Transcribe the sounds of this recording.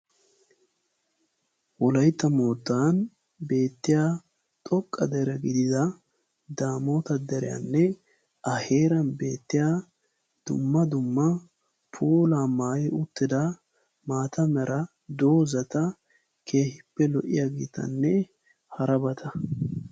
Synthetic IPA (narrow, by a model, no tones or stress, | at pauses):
wɔlɐjt̪ːɐmoːt̪ːaːn | be̞ːt̪ːɪjaː | t̪ʼɔkʼːɐd̪ɛɾɛɡɪd̪ɪd̪ɐ | d̪aːmoːt̪ɐd̪ɛɾɪjɐ̰nːɛ | ʔɐheːɾɐnbe̞ːt̪ːɪjaː | d̪̥ʊ̰mːɐd̪ʊmːɐ | pʰuːlaːmaːjɪʊt̪ːɪd̪ɐ | maːt̪ɐmɛɾʔɐ | d̪o̞ːzɐt̪ɐ | kʰe̞ːhɪpːɛlɔʔɪ̰jaɡḭːt̪ɐ̰nːɛ | hɐɾɐbɐt̪ʰɐ